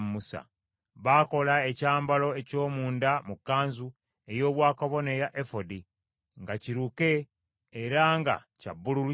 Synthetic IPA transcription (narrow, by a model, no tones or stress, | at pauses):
mmusa̰ | βako̞lae̞caːmbalo̞eco̞ːmuːndamukːaːnzu | e̞jo̞ːβwaːkaβo̞nejaʔefodi | ŋɡaciɾuke̞ː | ɾaŋɡa̰ca̰bːululu